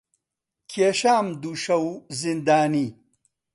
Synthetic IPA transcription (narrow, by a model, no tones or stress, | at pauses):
kʰeɕaːmd̪uɕɐwzind̪aːni